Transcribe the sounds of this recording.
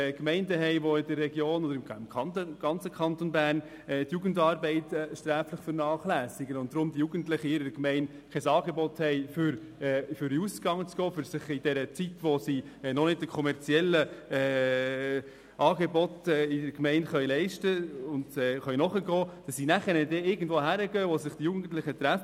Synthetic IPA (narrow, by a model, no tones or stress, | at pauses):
kmɛɪndəɦɛɪʋoɪdərːɛɡjoːnɔdəɾɪmmɑntɡ̥ɑnt͡səkʰχɑnt̪onbæːrn | ɛtjuɡəndɑːɾbɛɪtːʃtɾæːfləχfəɾnɑːχlæːsɪɡənʊnt̚d̥̪ɾʊmd̥ijuːɡ̥əntlɪχəɪɾədəkmɛɪn | kʰɛsɑːɡebɔthɛɪfʏɾ | ɛfʏɾiusɡ̥ɑŋət͡sɡ̥ɔːfʏɾsɪχɪd̥ɛɾət͡sitʋɔsiɛnɔnɪd̚d̥əkʰɔmɛɾt͡siɛlːəɛː | ʔɑːɡebɔtɛːɪdəɾkmɛɪntχœɥlɛɪʃtəʊndɛːχœɥnɔχəɡɔːd̥ɑsːinæχəɾədɛɪɡən̩dvoːɦæɾəɡœːʋosɪχd̥ijuɡn̩ən̩tlɪχət̪ɾæf